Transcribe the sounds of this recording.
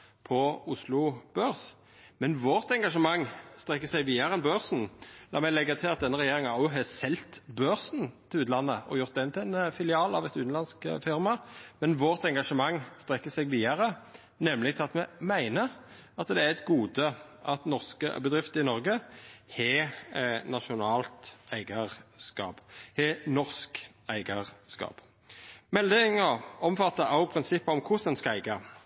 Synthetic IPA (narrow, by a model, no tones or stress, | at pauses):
pʰɔʊslʊb̥øːɾs | mɛnʋoːʁt̪ɛŋɡɑʂəmɑŋːst̪ʁɛkːəsæɪʋiːɑɾəɛnbøːʁsn̩d̪ɑ̰ːmɛɪlɛɡːət̪ʰɪlɑt̪̚d̪ɛnːəʁɛjeːɾɪŋɑʊɦɛsɛlt̪bøːʁsnt̪ʰɪlʉːt̪lɑnːəɔ̰jʊʁt̪̚d̪ɛnt̪ʰɪæɪnfɪlɪɑːlɑʋɛt̪ʉːt̪n̩lɑnskfɪɾmɑmɛnʋoːʁt̪ɛŋɡɑʂəmɑŋːst̪ʁɛkːəsɛɡʋiːɑʁə | nɛmlɪɡt̪ʰɪɑt̪mɛmæɪnə | ɑt̪d̪ɛæɛt̪ɡuːd̪ə | ʔɑt̪nɔʁskə̰bəd̪ʁɪft̪əɪnɔʁɡəhɛ | nɑʃʊnɑːlt̪æɪɡɑʁskɑ̰ːbhɛnɔʁsk | æɪɡɑʁskɑ̰ːp | mɛld̪ɪŋəɔmfɑt̪ːəʔɑʊpʰʁɪnsɪpːəɔmkʰʊsənskɑæɪɡɑ